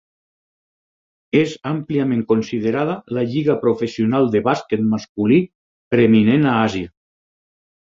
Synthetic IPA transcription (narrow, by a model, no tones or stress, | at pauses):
ezampliamẽŋkonsið̞eɾaðalaʎiɣapɾofesionalˠd̪eβasket̪̚mask̚uli | pɾeminenaazja